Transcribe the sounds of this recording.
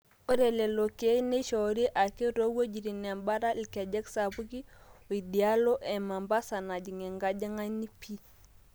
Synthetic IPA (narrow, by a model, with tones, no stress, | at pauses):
o˦ɾe˨le˨lo˨ke˦ne˦ʃo˨ɾi˦ʔa˨ke˦ɾo˦wo˦d͡ʒi˨ɾi˨n˨a˨mba˦ɾa˦li˨ka˨d͡ʒe˦ksa˨bu˦ɡi˦o˨i˨di˨a˦lo˦ʔe˨ma˨mba˦sa˨na˨d͡ʒi˨ŋe˨ŋɡa˦d͡ʒa˦ŋa˦ni˦pi˦